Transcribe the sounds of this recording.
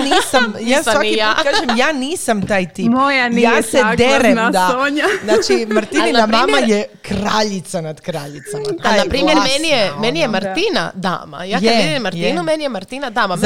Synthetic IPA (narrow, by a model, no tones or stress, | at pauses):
niːsamjaːsʋakiakaːʒemjaːniːsamt̪aːjt̪ipojanjaːsɛeɾɛnd̪aoɲanaːt͡ʃimaɾt̪ininamammajɛkɾaʎit̪sanad̪kɾaːʎit̪samaajnapɾiːmjeɾmɛnijɛmɛnijɛmaɾt̪ina̰d̪a̰ːma̰jakjad̪eimaɾt̪inumɛnijɛmaɾt̪inad̪aːmam